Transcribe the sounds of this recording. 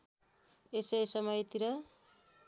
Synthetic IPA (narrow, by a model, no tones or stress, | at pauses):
esʌjsʌmʌjt̪iɾʌ